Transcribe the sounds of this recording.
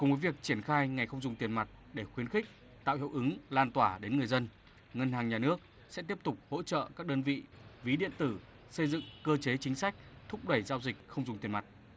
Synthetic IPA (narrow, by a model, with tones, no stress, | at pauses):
kʊ˨˩ŋ͡mvəː˨˦vi˨˩ək̚t͡ɕi˧˩ənxaː˧jŋa˨˩jxə˧wŋ͡mzʊ˨˩ŋ͡mt̪i˨˩ənma˨˩t̚ | ɗe˧˩xwi˨˦ənxï˦˥k̟̚ | t̪a̰ː˧˨whḭ˧˨əwʔɨ˨˦ŋlaː˧nt̪waː˧˩ɗe˨˦nŋɨ˨˩əjzə˧n | ŋə˧nɦaː˨˩ŋɲaː˨˩nɨ˦˥ək̚ | sɛ̰˧˥t̪i˦˥əp̚t̪ʊ˨˩k͡p̚ho̰˧˥t͡ɕə̰ː˧˨kaː˦˥k̚ɗəː˧nvḭ˧˨vi˨˦ɗḭ˧˨ənt̪ɨ˧˩ | sə˧jzɨ̰˧˨ŋkəː˧t͡ɕe˨˦t͡ɕï˨˦ŋ̟sa˦˥jk̟̚t̪ʰʊ˦˥k͡p̚ɗə˧˩jzaː˧wzï˨˩k̟̚xə˧wŋ͡mzʊ˨˩ŋ͡mt̪əma˨˩t̚